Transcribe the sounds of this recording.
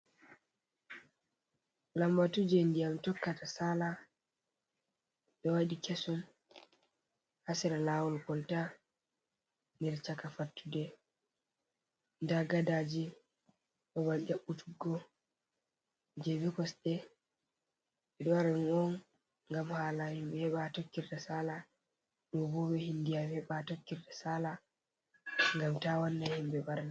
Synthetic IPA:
lambatud͡ʒɛndijamtɔkːatasala | ɓɛwaɗikesum | hasiɾalaːwɔlkɔlta | niɾt͡ʃakafatːudɛ | ndaɡadad͡ʒi | ɓɔβald͡ʒaɓːutʰuɡːɔ | d͡ʒebikɔsɗɛ | ɛɗɔaɾanɔn | ŋɡamhaːlahibɛhɛɓatokːiɾdasala | ɗɔbɔbɛhindijamɛɓatokːiɾdɛsala | ŋɡamtawanːahimbɛbaɾna

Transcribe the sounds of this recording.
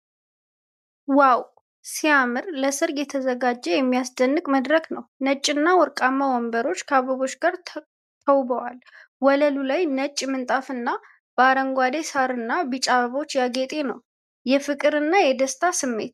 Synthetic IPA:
waw | siamɨɾləsɨɾjɛt̪ʰəzəɡad͡ʒːɛjɛmːijasd̪ənːɨkʼməd̪ɾəknəwnət͡ʃʼːɪnːawɔɾkʼamːawɔmbəɾo̞t͡ʃːkʰəaβəβo̞t͡ʃːɡaɾ | t̪ʰəwbəwalwɔləlulajnət͡ʃʼːmɨnt̪ʼafɨnːa | b̥əaɾəŋɡʷad̪esaɾɨnːabɨt͡ʃʼaβəβo̞t͡ʃːjaɡet̪ʼe̞nəw | jɛfɨkʼɨɾɨnːajɛd̪əst̪ʰasɨmːe̞̰t̪

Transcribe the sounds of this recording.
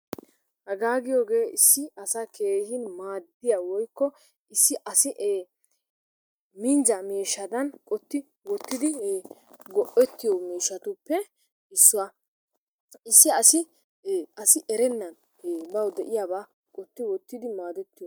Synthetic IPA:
hɐɡaːɡɪjoːɡeːʔɪsːɪɐsake̞ːhɪnmaːd̪ɪjawɔjkːɔ | ɪsːɪʔɐsɪʔeː | mɪnzɐmeːʃːɐd̪ɐnkʼɔt̪ːɪ | wɔt̪ːɪd̪ɪ | ɡɔʔɛt̪ːɪjɔmiːʃːɐt̪ʊpːɛ | ɪsːʊwɐ | ɪsːɪɐsɪ | ɐsɪʔɛɾɛnːɐn | ebɐwd̪ɛʔɪjabaː | kʼɔt̪ːɪwɔt̪ːɪd̪ɪmaːd̪ɛt̪ːɪjɔ

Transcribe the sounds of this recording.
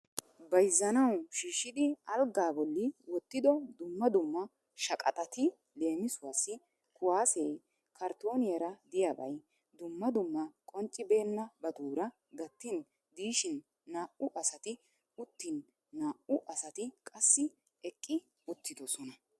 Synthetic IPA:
bɐjzːɐnɐwʃiːʃːɪd̪ɪɐlɡaːbɔlːɪwɔt̪ːɪd̪ɔd̪ʊmːɐd̪ʊmːɐ | ʃɐkʼɐ̰t̪ʼɐt̪ɪ | le̞ːmɪsʊwaːsːɪ | kʊwaːsej | kɐɾt̪o̞ːnɪjɐɾɐd̪ɪjabɐ̰j | d̪ʊmːɐd̪ʊmːɐkʼɔnt͡ʃʼːɪbe̞ːnːɐbɐt̪uːɾɐ | ɡɐt̪ːɪn | d̪iːʃɪnː | aːʔʊʔɐsɐt̪ɪ | ʊt̪ːɪnː | aːʔʊʔɐsɐt̪ɪkʼɐsːɪ | ɛkʼːɪ | ʊt̪ːɪd̪ɔsɔnɐ

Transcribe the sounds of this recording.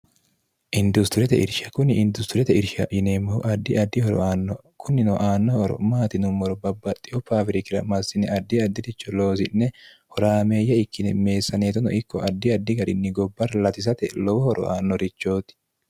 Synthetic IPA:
ʔɪnd̪ʊst̪ʊɾɛt̪ɛ̰ʔɪ̰ɾʃɐkʊnɪɪnd̪ʊst̪ɪɾɛt̪ɛɪɾʃɐ̰ɪneːmːɔʔɐd̪ːɪɐd̪ːɪhɔɾɔ̰aːnːɔ | kʰʊnːɪnɔʔaːnːɔhɔɾɔ̰maːt̪ɪnʊmːɔɾɔbɐbːɐt̪ʼːɪɔpaːfɪɾɪkɪɾɐ̰mɐsːɪnɛɐd̪ːɪɐd̪ːɪd̪ɪt͡ʃːɔlo̞ːsɪnːɛ | hɔɾaːme̞ːjːɐɪkːɪnɛme̞ːsːɐneːt̪ɔnɔ̰ʔɪkːɔʔɐd̪ːɪɐd̪ːɪɡɐɾɪnːɪɡɔbːɐɾlɐt̪ɪs̬ɐt̪ɛ̰lɔwɔhɔɾʔɔ̰ʔa̰ːnːɔɾɪt͡ʃːoːt̪ɪ̥

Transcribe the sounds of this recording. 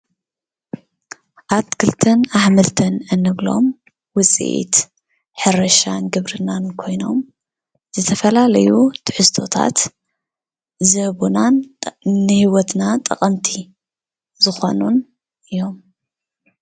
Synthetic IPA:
ʔatkʰɨlt̪ʰɐnaħmɨlt̪ʰɐnɨnːɨβlo̞̰m | wʊt͡sʼḭʔḭt̪ | ħɨɾɐʃanɡɨβɾɨnankʰo̞jno̞m | zɨt̪ʰɐfɐlalɐjut̪ʰɨħɨst̪ʰo̞t̪ʰa̰t̪ | zɐβunanː | ɨhiwɔt̪nat̪ʼɐqʼɐmt̪ʰi | zɨxo̞̰nun | ʔɨjo̞m

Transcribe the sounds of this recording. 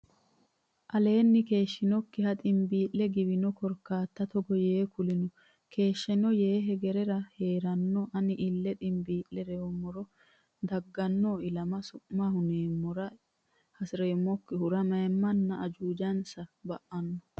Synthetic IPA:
ʔɐle̞ːnːɪke̞ːʃːɪnɔkːɪhɐt̪ʼɪmbiːʔlɛɡɪbɪnɔkɔɾkːaːt̪ːɐt̪ɔɡɔjeːkʊlɪnɔ | kʰe̞ːʃːɛnɔjeːɦɛɡɛɾɛɾɐhe̞ːɾɐnːɔʔɐnɪʔɪlːɛt̪ʼɪmbiːʔːɛɾɛɔmːɔɾɔ | d̪ɐɡːɐnːoːɪlɐmɐsʊʔːahʊneːmːɔɾɐ | hɐsɪɾeːmːɔkːɪhʊɾɐmɐjmːɐnːɐʔɐd͡ʒuːd͡ʒɐnsɐbɐʔɐnːɔ

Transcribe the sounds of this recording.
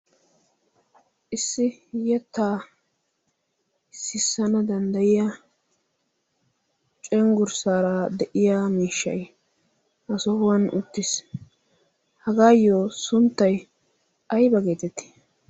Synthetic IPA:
ʔɪsːɪjɛt̪ːaː | sɪsːɐnɐd̪ɐnd̪ɐjɪja | t͡ʃʼɛŋɡʊɾsaːɾɐd̪ɛʔɪjaːmiːʃːɐ̰j | ʔɐsɔhʊwɐnʔʊt̪ːɪs | hɐɡaːjːoːsʊnt̪ːɐj | ɐjbɐɡeːt̪ɛt̪ːɪ̥

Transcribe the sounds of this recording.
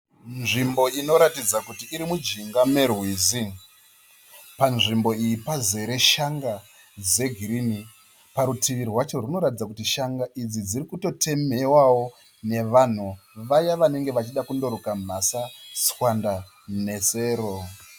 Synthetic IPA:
nʐimbo̞ino̞ɾatid͡zakutiʔːɾimud͡ʒiŋɡame̞rwiːzi | panʐimbo̞ijipaze̞ɾe̞ʃaŋɡa | d͡ze̞ɡʱiɾini | paɾutʰiʋirwat͡ʃo̞runo̞ɾatid͡zakutiʃaŋɡaʔid͡zid͡zirikuto̞tʰe̞me̞wawo̞ | ne̞ʋan̤uʋajaʋane̞ŋɡe̞ʋat͡ʃiɗakundo̞ɾokam̤asaswanda | ne̞se̞ːɾo

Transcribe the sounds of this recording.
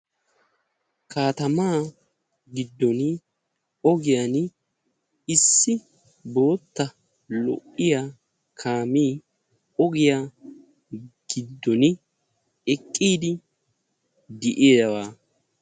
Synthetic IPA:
kʰaːt̪ɐmaː | ɡɪd̪ːɔnɪ | ɔɡɪjan | ɪsːɪ | bo̞ːt̪ːɐ | lɔ̰ʔːɪjaː | kʰaːmiː | ɔɡɪja | ɡ̥ɪd̪ːɔnɪ | ɛkʼːiːd̪ɪ | d̪ɛʔeːjɐwaː

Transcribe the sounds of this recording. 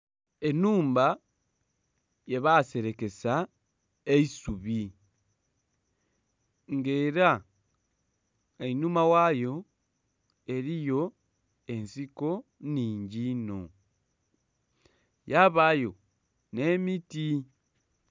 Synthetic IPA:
e̞nuːmba | jeβase̞ɾe̞ke̞sa | eisuβi | ŋɡeɾa | einumawajo̞ | e̞ɾijo̞ | e̞nsiko̞niːɲɟino̰ | jaβajo̞ | nemiti

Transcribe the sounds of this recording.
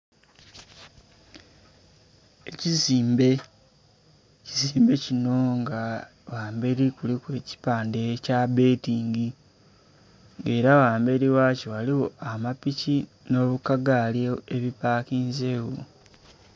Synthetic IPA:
e̞ciziːmbe | ciziːmbe̞cino̞ŋɡa | waːmbe̞ɾikulikwe̞ːci̥paːnde̞cabe̞ːtiːŋɡi | ŋɡe̞ːɾawaːmbe̞ɾiwaːciwaliwo̞amapici | no̞ːβukaɡaleeβipaːkiːnzeːwo

